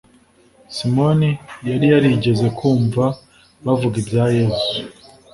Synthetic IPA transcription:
simo̞nijaɾijaɾiɟe̞ze̞kʰuːɱva | βavuɡibjaːje̞zu̥

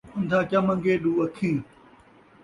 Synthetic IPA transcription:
ʊ̃nd̪ʱãːt͡ɕɐmə̃ŋɡeːɗuːɐkʰĩː

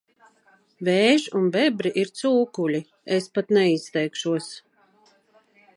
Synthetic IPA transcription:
vɛːʒunbɛbɾiʔiɾt̪suːkulʲi | espat̪nɛist̪ɛjkʃuɔs

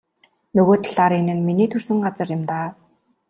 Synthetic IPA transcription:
nɵɣoːt̪̆ɮaːɾinɘ̆nminiːt̪ʰɵrsɘ̆ŋɢat͡sə̆rjʊ̆mt̪aː

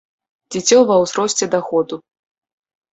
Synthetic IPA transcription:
d͡zʲit͡sʲɔvɐwzɾɔsʲt͡sʲɛd̪axɔd̪u

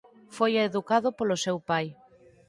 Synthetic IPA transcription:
fojeðukaðʊpolʊsewpaj

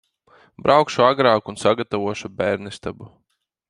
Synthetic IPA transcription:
bɾʔawkʃuaɡɾaːkunsaɡat̪avuɔʃubʲæːɾnist̪abu

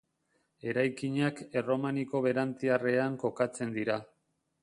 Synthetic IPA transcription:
e̞ɾajkiɲake̞ro̞maniko̞βe̞ɾant̪iare̞aŋko̞kat͡se̞nd̪iɾa

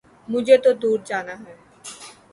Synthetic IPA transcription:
mʊd͡ʒʱet̪od̪uːɾd͡ʒaːnaːɦɛː

